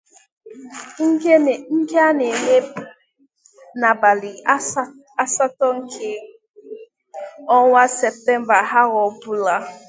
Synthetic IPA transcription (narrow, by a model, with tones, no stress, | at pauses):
ŋ˦˨ŋ̩˦ke˦a˦ne˨me˦p̚ | na˨ba˨li˨ | a˦sa˦tɔ˦ŋ̩˦kʰe˦ | ɔ˦wa˦sɛ˨p̚tɛ˦mba˨ɦa˦ɣɔ˨bu˦la˦